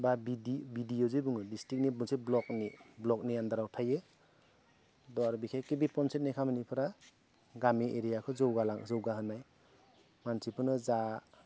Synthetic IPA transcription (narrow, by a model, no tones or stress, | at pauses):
babidibidijozibuŋɯdistik̚nibɯnsiblɔk̚niblɔk̚nijand̪aɾawtʰaje | dɔaɾubikʰajkibipɔnset̚nikʰamnipʰɯɾa | ɡamiʔeɾijakʰɯzɔwɡalazɯwɡaɦɯnːaj | mansipʰɯnɯza